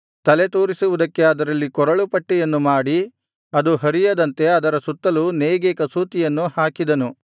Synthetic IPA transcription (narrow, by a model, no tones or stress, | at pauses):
t̪ɐlet̪oːɾisuʋud̪ɐkːe̞ɐd̪ɐɾɐlːikɔɾɐɭupɐʈːɛjɐnːumaːɽi | ɐd̪uɦɐɾijɐd̪ɐnt̪e̞ɐd̪ɐɾɐsut̪ːɐluneːɡeːkɐsuːt̪ijɐnːuhaːkid̪ɐnu